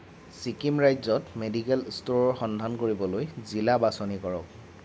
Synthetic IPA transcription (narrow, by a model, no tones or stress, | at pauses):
sikimɹajzɔtmedikɛlstoɹɔɹxɔndʱankoɹibɔlojzilabasɔnikɔɹɔ̰k̚